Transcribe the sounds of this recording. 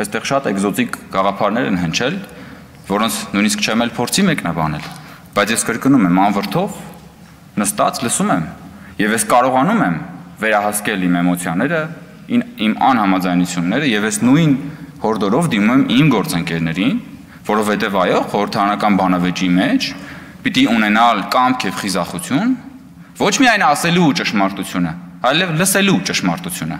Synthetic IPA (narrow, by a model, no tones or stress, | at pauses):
ɛst̪ɛʁʃɑt̪ɛɡzɔt̪ikɡ̥ɑʁɑpʰɑɾnɛɾɛnɦənt͡ʃʰɛl | vɔɾɔnt͡sʰnujniskt͡ʃʰɛmɛlpʰɔɾt͡sʰimɛknɑbɑ̰nɛl | b̥ɑjt͡sʰjɛskəɾkənumɛmɑnvəɾt̪ʰɔv | nəst̪ɑ̰t͡sʰləsumɛm | jɛvjɛskɑɾɔʁɑnumɛmvɛɾɑɦɑskɛlimɛmɔt͡sʰjɑnɛɾə | inimɑ̰nhɑmɑd͡zɑjnut͡sʰjunːɛɾəjɛvjɛznujnhɔɾd̪ɔɾɔvd̪imumɛmimɡɔɾt͡səŋkɛɾnɛɾin | vɔɾɔvhɛt̪ɛvɑjɔχɔɾəɾt̪ʰɑɾɑnɑkɑnbɑnɑvɛt͡ʃimɛt͡ʃʰ | pit̪iunɛnɑlkɑmpkʰjɛvχizɑχut͡sʰjun | vɔt͡ʃʰmiɑjnɑsɛlut͡ʃəʃmɑɾt̪ut͡sʰjunə | ɑjlɛvləsɛlut͡ʃəʃmɑɾt̪ut͡sʰjunə̰